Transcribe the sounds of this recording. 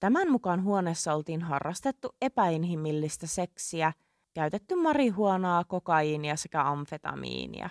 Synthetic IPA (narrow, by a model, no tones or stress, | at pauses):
t̪æmænmukɑnɦuoneːsːɑo̞lt̪iːnɦɑ̰rːɑst̪et̪ːue̞pæinɦimilːist̪æse̞ksiæ | kæɥt̪et̪ːymːɑriɦuonɑːko̞kɑiːniɑsekæɑɱfe̞t̪ɑ̰mḭːnḭɑ̰